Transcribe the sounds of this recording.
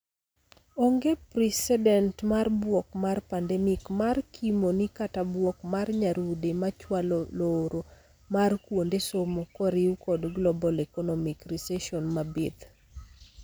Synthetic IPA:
oŋɡepɾɛsɛdɛntmarbwɔk̚marpandɛmikmarkʰimonikatabwɔkmarɲaɾudemat͡ʃwaloloɾo | markwondesomokɔɾiukɔdɡlɔbɔlɛkɔnɔmikrisɛʃɔnmabet̪

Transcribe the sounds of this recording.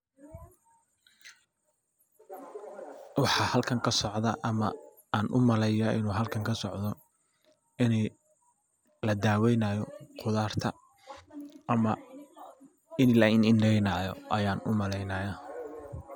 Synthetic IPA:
wɑħɑhɐlkʰɐŋkʰɐsɔʕðɐʔɐmɐ | aːnʔʊmɐlɛjɐʔɪ̰nuːɦɐlkʰɐŋkʰɐsɔʕd̪ɔ | ɪnɛ | lɐd̪aːwɛjnaːjɔqʰʊðaːrt̪ʰɐ | ɐmɐ | ɪnlɐɪnɪndɛjnaːjɔ̰ʔɐjaːnʊ̰mɐlɛjnaːja

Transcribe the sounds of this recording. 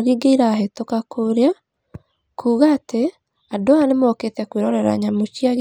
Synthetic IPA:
ɣiɡeiɾaːɦetokakʰoɾea | kʰuːɣaːte | adoanemɔketɛkweɾɔɾɛɾa̰ɲamot͡ʃiaɣ

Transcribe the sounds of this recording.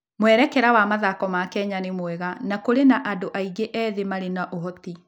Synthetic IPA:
mwɛɾɛkɛɾawamaðakɔmakɛɲanemwɛɣanakoɾenaʔadoʔaiɡeʔɛːðemaɾenaʔoɦɔti

